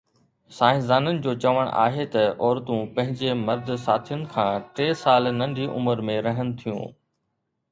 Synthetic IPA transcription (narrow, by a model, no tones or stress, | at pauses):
saːɦɪzaːnənɪ̆d͡ʑoːt͡ɕɐʋəɽ̰̃ʔa̰ːɦet̪ɐʔɔːɾt̪ũpɐ̃ɦɪ̃ɲd͡ʑemɐɾd̪̆ʱsaːt̪ʰijʊnɪ̆kʰãːʈeːsaːlnɐ̃ɳɖʱiʔʊ̰məɾmẽɾɐɦənɪ̆t̪ʰijṵ̃ː